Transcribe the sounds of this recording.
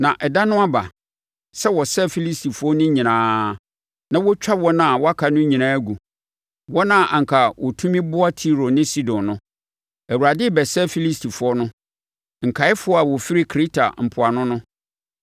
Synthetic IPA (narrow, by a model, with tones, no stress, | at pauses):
nã˨ʔɛ˨da˦nʊ̃˦a˦ba˨ | sɛ˦wɔ˨sɛ˦fi˦li˦sti˨fʊ˨˦ɔ˦nʊ̃˦ɲĩ˨nãː˨˦ | nã˦wɔ˦t͡ɕᶣa˦bwɔ˦nã˦˨wɔ˦a˦kʰa˨nʊ̃˦ɲĩ˨nãː˦ɡu˨ | wɔ˦nã˦˨ʔã˨ŋ̩˨kʰa˨wɔ˨tʰũ˦mĩ˦bʊ˦a˦tʰi˦ɾo˨nɪ̃˦si˦dɔ̃˨nːnʊ̃˦ | æ˨u˨ɾa˨dɪ˦bɛ˨sɛ˦fi˦li˦stʰi˨fʊ˨˦ɔ˦nʊ̃˦ | ŋ̩˨kʰa˨ɪ˦fʊ˦ɔ˦a˨wɔ˨fi˦ɾɪ˦kʰɾi˦tʰa̰˨m̩˨pʰʊ˨a˨nʊ̃˦nʊ̃˦